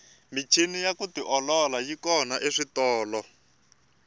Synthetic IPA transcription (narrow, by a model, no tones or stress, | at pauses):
mit͡ʃʰinijakutiʔɔlɔlajikɔnaʔeʂitɔːlɔ